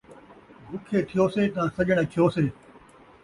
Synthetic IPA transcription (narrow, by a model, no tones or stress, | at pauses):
bʱʊkʰeːt̪ʰɪjoːseːt̪ãːsɐʄəɽ̃eːt̪ʰɪjoːseː